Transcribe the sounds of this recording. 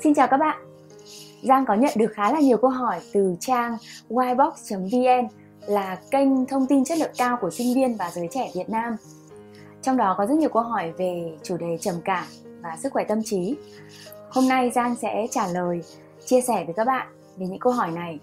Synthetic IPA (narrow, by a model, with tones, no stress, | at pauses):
si˧nt͡ɕaː˨˩wkaː˦˥k̚ɓa̰ː˧˨n | zaː˧ŋkɔ˨˦ɲə̰˧˨nɗɨ˨˩ək̚xaː˨˦laː˨˩ɲi˨˩əwkə˧wɦɔ˧˩jt̪ɨ˨˩t͡ɕaː˧ŋwaː˧jɓɔ˦˥k̚t͡ɕə˨˦mvi˧ʔɛ˧n | laː˨˩kə˧jŋ̟t̪ʰə˧wŋ͡mt̪i˧nt͡ɕə˦˥t̚lɨ̰˧˨əkaː˧wku˧˩əsï˧ŋ̟vi˧ənvaː˨˩zəː˨˦jt͡ɕɛ˧˩vi˨˩ət̚naː˧m | t͡ɕɔ˧wŋ͡mɗɔ˨˦kɔ˨˦zə˦˥t̚ɲi˨˩əwkə˧wɦɔ˧˩jve˨˩t͡ɕu˧˩ɗe˨˩t͡ɕə˨˩mkaː˧˩vaː˨˩sɨ˦˥k̚xwɛ˧˩t̪ə˧mt͡ɕi˨˦ | ho˧mna˧jzaː˧ŋsɛ̰˧˥t͡ɕaː˧˩ləː˨˩j | t͡ɕi˧əsɛ˧˩vəː˨˦jkaː˦˥k̚ɓa̰ː˧˨n | ve˨˩ɲɨ̰˧˥ŋkə˧wɦɔ˧˩jna˨˩j